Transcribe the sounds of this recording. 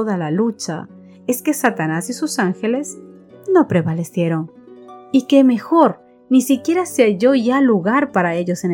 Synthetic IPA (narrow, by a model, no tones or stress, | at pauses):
oðalalut͡ʃa̰ | e̞ske̞sat̪anasisusaŋxe̞le̞s | no̞pɾe̞βale̞sje̞ɾo̞ŋike̞me̞xo̞ɾ | nisikje̞ɾaseaʝo̞ʝaluɣaɾpaɾae̞ʎo̞sen